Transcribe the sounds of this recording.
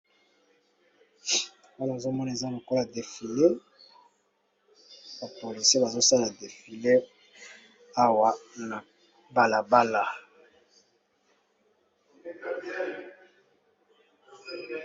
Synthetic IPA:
o˦wa˨zo˦mɔ˦na˨e˨za˦lo˨kɔ˦la˨de˨fi˨le˦ | ba˨po˨li˨se˦ba˨zo˦sa˦la˨de˨fi˨le˦ | a˦wa˨na˨ | ba˨la˨ba˦la˨

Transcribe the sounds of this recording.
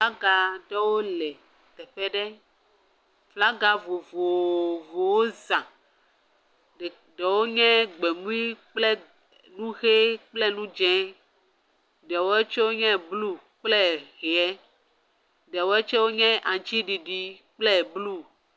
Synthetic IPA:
fla˦ɡa˨ɖɛ˦wo˦lɛ˨ | t̪ɛ˨ɸɛ˦ɖɛ˦ | fla˦ɡa˨vo˨vo˨vo˨wo˦zã˨ | ɛ˨ | ɖɛ˨wo˦ɲɛ̃˦ɡ͡be˨mũ˦i˦k͡plɛ˦ | nũ˦ɣe˦k͡plɛ˦nũ˦d͡ʒɛ̃˦ | ɖɛ˨wo˦e˦t͡ʃe˦wo˦ɲɛ̃˦blu˦ | k͡plɛ˦ɣɛ˨ɛ˦ | ɖɛ˨wo˦e˦t͡ʃɛ˦wo˦ɲɛ̃˦ʔã˨t͡ʃi˦ɖi˨ɖi˨k͡plɛ˦˨blu˦

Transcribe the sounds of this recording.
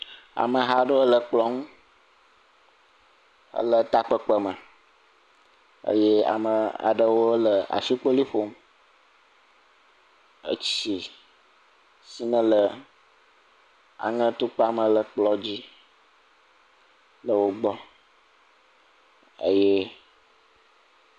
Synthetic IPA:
a̰˨mə˨ɦa˨ɖə˦wo˦lə˨k͡plɔ˦ŋũ˦ | ə̰˦lə˦t̪a˦k͡pə˦k͡pə˦mə˨ | ə̰˦je˦a̰˨mə˨a̰˨ɖə˦wo˦lə˨a̰˨fi˦k͡po˦li˦ɸo˦m | ə̰˦t͡ɕi˨ | si˦nə̃˦lə˨ | a̰˨ŋə̃˦t̪u˦k͡pa˦mə̃˨lə˨k͡plɔ˦d͡ʑi˦ | lə˨wo˦ɡ͡bɔ˦ | ə̰˦jɛ˦

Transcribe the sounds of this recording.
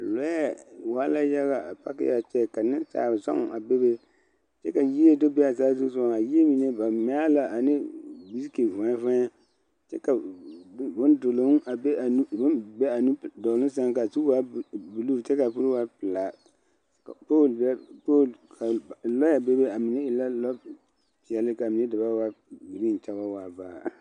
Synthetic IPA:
a˨lɔ˦ja˨waː˦la˦ja˦ɣa˨a˨pa̰˦kɪ̰˦ja˨t͡ʃɛ˦˨ka˨nɪ˦nsa̰ː˨za̰˦ŋ˨a˨be˦be˦ | t͡ʃɛ˦ka˨ji˦e˦do˦be˦a˨zaː˦zu˦sa˨ŋa˨ji˦e˦mi˨ne˦ba˨mɛ˦a˦la˨ʔa˨nɪ˦bi˦ski˨vã˨˦vã˦a˦ | t͡ʃɛ˦ka˨˦ | bʊ˦ndʊ˨lo˨˦a˨be˦a˨nu˦bbɛ˦a˨nu˦˨dɔ˨lɨ˦ns̬a˦ŋka˨tu˦wa˦bu˨luː˦˨t͡ʃɛ˦ka˨pu˦ɾwa˦pɨ˨la˨ | kpo˦bpo˦kʰa˨lɔ˦ja˨be˦be˦a˨mi˨ne˦ɪ˨la˦lɔ˦ | pi˨ɛ˨lɪ˦ka˨mi˨ne˦dɨ˨ba˦wa˦bi˨ɾi˦n˨t͡ʃa˦ba˦wa˨baː˦˨

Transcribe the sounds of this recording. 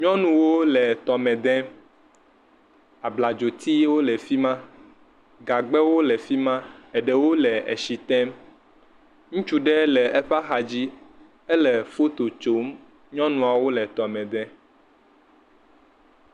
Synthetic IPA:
ɲɔ̃˦nũ˨wo˦lɛ˨t̪ɔ˨mɛ̃˨d̪ɛ̃˦ | a˨bla˨d͡ʒo˨t̪i˦wo˦lɛ˨fi˦mã˦ | ɡa˨ɡ͡bɛ˦wo˦lɛ˨fi˦mã˦ɛ˨ɖɛ˨wo˦lɛ˨ḛ˨ʃi˨t̪ɛ˦m | ŋũ˦t͡ʃu˦ɖɛ˦lɛ˨ɛ˦ɸa˦xa˨d͡ʑi˦ | ɛ˦lɛ˨fo˦t̪o˨t͡ʃo˦m | ɲɔ̃˦nũ˨a˨wo˦lɛ˨t̪ɔ˨mɛ̃˨d̪ɛ̃˦

